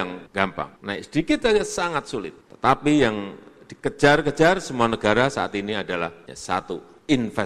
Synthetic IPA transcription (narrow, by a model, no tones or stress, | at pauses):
aŋɡ̥ampa̰ŋnaisədikit̪aasaŋat̪̚sulɪ̰t̪̚ːə̥t̪apijaŋd̥ikəd͡ʒarkə̥d͡ʒarsəmuanəɡaɾasaa̰t̪iniadala̰hɲa̰sa̰t̪u | ɪnfɛ